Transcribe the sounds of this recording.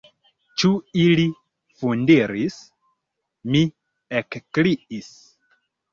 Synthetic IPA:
t͡ʃuili | fundiɾis | mi | ekkliʔis

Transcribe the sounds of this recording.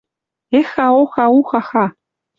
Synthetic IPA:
exaoxauxaxa

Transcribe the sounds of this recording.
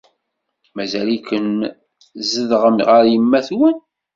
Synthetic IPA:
mæzælikən | zəðʁəmʁəɾjəmːæθwən

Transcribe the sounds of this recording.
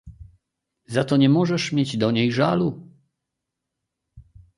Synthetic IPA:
zat̪ɔɲɛmɔʐɛʂmʲjed͡ʑd̪ɔɲejʐalu

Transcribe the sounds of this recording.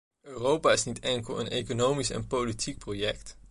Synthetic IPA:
øːrowpaɪsnitɛŋkəl̩ˠə̰nekonowmisɛ̰npolitʰik̚projɛkt

